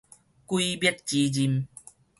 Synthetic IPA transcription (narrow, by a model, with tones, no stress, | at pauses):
kwi˦bji˦˧t̚t͡ɕi˨˧˦d͡ʑi˧m